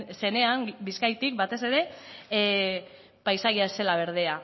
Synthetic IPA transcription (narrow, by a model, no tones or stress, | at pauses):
se̞ne̞ambiskajt̪ik̚bat̪e̞se̞ɾe̞ | pajsaɣiaese̞laβ̞e̞ɾð̞e̞a